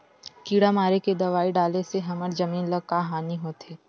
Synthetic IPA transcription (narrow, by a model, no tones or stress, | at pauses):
kiːɽamaːɾeked̪ɐʋaːiɖaːleseɦɐməɾd͡ʒɐmiːnlɐɡ̚kaːɦaːniɦoːt̪eː